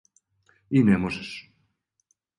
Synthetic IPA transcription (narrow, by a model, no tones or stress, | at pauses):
inemoses